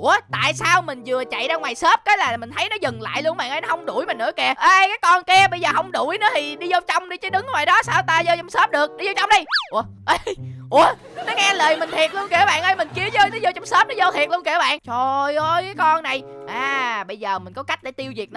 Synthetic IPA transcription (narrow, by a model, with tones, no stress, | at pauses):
ʔu˧˩ə˦t̪a̰ː˧˨jsaː˧wmï˨˩ŋ̟zɨ˨˩ət͡ɕa̰˧˨jzaː˧ŋwaː˨˩jsəː˦˥p̚kaː˨˦jlaː˨˩mï˨˩ŋ̟t̪ʰə˨˦jnɔ˨˦zə˨˩ŋla̰ː˧˨jlu˧ənɓa̰ː˧˨nʔə˧jnɔ˨˦hə˧wŋ͡mɗu˧˩jmä˨˩nɨ̰˧˥˦ə˦kɛ˧˩əʔəː˧jkaː˨˦jkɔ˧nkɛ˧əɓə˧jzəː˨˩ɦə˧wŋ͡mɗu˧˩jnɨ̰˧˨˦t̪ʰi˨˩ɗi˧zə˧wt͡ɕɔ˧wŋ͡mɗi˧t͡ɕəː˨˦jɗɨ˨˦ŋːwaː˨˩jɗɔ˨˦saː˧wt̪aː˧zəː˧t͡ɕwŋ͡msəː˦˥p̚ɗɨ˨˩ək̚ɗi˧zɔ˧wt͡ɕɔ˧wŋ͡mɗi˧˩jʔu˧˩ə | ʔə˧ʔu˧˩ə | nɔ˨˦ŋaː˧ləː˨˩jmï˨˩ŋ̟t̪ʰi˨˩ət̚lu˧ənki˨˧˩ə˦˩ɓa̰ː˧˨nʔəː˧jmï˨˩ŋ̟ki˧əzəː˧jnə˨˦zo˧t͡ɕwŋ͡msəː˦˥p̚nɔ˨˦zəː˧t̪ʰi˨˩t̚lu˧ənkːə˦ɓa̰ː˧˨nt͡ɕʰo˨˩jʔə˧jkaː˨˦jkɔ˧nːa˨˩jʔaː˨˩ɓə˧jzəː˨˩mï̟˨˩kɔ˨˦ka˦˥jk̚ɗḛ˧˩t̪i˧əwzi˨˩k̚nɔ˦